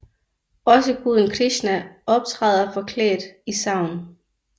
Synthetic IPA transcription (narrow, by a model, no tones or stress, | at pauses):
ɒ̽səɡ̥uðˠənkʰʁiɕnæɒ̽b̥̚t͡sʰʁɑð̞ˠɐfɒ̽kʰlḛːd̥isɑ̈ʊn